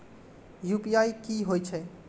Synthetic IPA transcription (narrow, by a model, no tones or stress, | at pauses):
jupiaikiɦojt͡ʃʰɛ